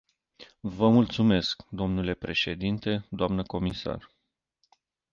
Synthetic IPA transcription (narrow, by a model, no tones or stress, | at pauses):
vəmult̪sume̞skd̪o̞mnule̞pɾe̞ʃe̞d̪int̪e̞d̪oamnəko̞misa̰r